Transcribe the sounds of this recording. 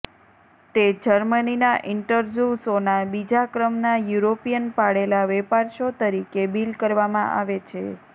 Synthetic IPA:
t̪ed͡ʒəɾməninaʔɪɳʈəɾd͡ʒjusonabid͡ʒakɾəmnajuɾopijənpaɽelaʋɛpaɾʃot̪əɾikebilkəɾʋamã̰ʔa̰ʋet͡ʃʰḛ

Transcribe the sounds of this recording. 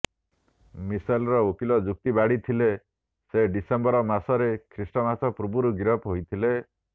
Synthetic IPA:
misajlɾɔokilɔd͡ʒuk̚t̪ibaɽit̪ʰile | seɖisembɔɾɔmasɔɾekʰɾisʈɔmasɔpɾubuɾuɡiɾɔpɦojt̪ʰile

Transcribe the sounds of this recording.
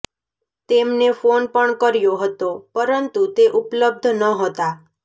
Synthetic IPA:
t̪emnefonpəɳkəɾjoɦət̪opəɾənt̪ut̪eʔupləb̚d̪ʱnəɦət̪a

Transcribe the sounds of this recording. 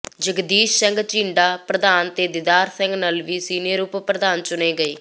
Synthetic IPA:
d͡ʒəɡd̪iːʃsəŋɡt͡ʃĩːɳɖaːpɾəd̪aːnt̪eːd̪ɪd̪aːɾsə̃ŋɡnəlʋiːsiːnɪəɾuːppɾəd̪aːnt͡ʃʊneːɡəeː

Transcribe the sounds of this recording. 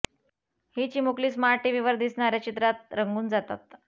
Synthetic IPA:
hit͡ɕiːmukliːsmaʈiʋiʋəɾd̪isɳaɾjat͡ɕit̪ɾat̪̚ɾəŋɡuːnd͡zat̪a̰t̪̚

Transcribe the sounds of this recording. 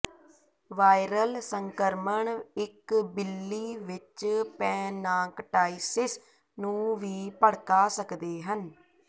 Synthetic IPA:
ʋaːɪɾəlsəŋkəɾməɳɪkbɪlːiːʋɪt͡ʃpɛ̃ːnaːkʈaːisɪs | nũːʋiːpəɽkaːsəkd̪eːɦən

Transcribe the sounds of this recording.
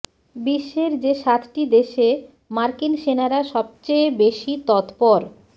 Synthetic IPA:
biʃːeɾd͡ʑeʃat̪ʰʈid̪eʃe | maɾkinʃenaɾaʃɔb̚t͡ɕejbeʃit̪ɔt̪pɔɾ

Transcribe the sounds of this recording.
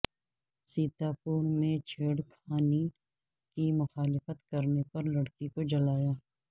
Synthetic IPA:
siːt̪aːpuːɾmẽt͡ʃʰeːɽkʰaːni | kimʊxaːlɪfət̪kɐɾnepɐɾlɐɽkikod͡ʒɐlaːjaː

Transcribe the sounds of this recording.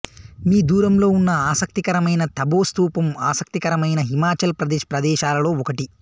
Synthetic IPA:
miːd̪uːɾɐmlo̞ːunːɐaːsɐk̚t̪ikɐɾɐmɐjnɐt̪ʰɐbo̞ːst̪uːpɐmaːsɐk̚t̪ikɐɾɐmɐjnɐɦimaːt͡ʃɐlpɾɐd̪ɛːʃɐpɾɐd̪ɛːʃaːlɐlo̞ːɔkɐʈi

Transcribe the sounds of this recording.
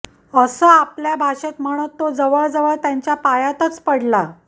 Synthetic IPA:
əsəːapljabʱaɕet̪m̤əɽ̃ət̪ːod͡zəʋəɭd͡zəʋəɭt̪jaɲt͡ɕjapajat̪ət͡spəɽla

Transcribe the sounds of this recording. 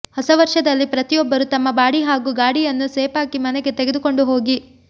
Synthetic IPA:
hɐsɐʋɐɾʂɐd̪ɐlːipɾɐt̪ijɔbːɐɾut̪ɐmːɐbaːɽiɦaːɡuːɡaːɽijɐnːuseːpaːkimɐnɛɡet̪eɡed̪uko̞ɳɖuɦo̞ːɡi

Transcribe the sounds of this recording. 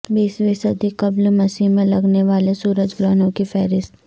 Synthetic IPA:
biːsʋiːsəd̪ikɐblmɐsimẽlɐɡneʋaːlesuːɾəd͡ʒɡɾaːnõkifɛːɾɪst̪

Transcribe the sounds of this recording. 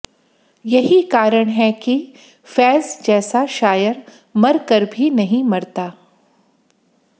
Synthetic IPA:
jɐɦikaːɾəɽ̃ɦɛki | fɛːzd͡ʒɛːsaʃaːjəɾ | mɐɾkəɾbʱinɐɦĩmɐɾt̪aː

